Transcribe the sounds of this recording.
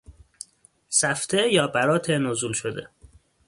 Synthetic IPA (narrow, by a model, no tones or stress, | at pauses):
sæft̪ʰejɒːbæɾɒːt̪ʰenozuːlʃod̪ḛ